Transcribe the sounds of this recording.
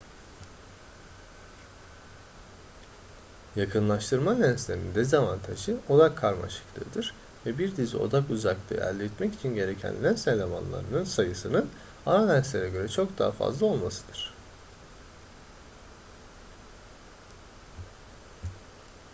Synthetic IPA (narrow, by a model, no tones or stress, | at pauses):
jakʰɯnlˠaʃt̪ʰɯɾmalʲænslʲeɾiind̪ezavant̪ʰaʒɯo̞d̪akʰːaɾma̰ʃɯ̥klˠɯ̰ːd̪ɯɾ | vɛbiɾd̪izḭo̞̰d̪akuzaklˠɯ̰ʔæ̰ɾlʲːɛt̪mɛci̥t͡ʃʰinɟe̞ɾe̞cʰæ̰nlʲænselʲema̰nlˠa̰ɾɯnɯnsajɯsɯnɯn | aɾalʲænslʲe̞ɾɛɟø̞ɾɛt͡ʃʰo̞kd̪a̰ːafa̰zlˠao̞lˠmasɯd̪̥ɯɾ̥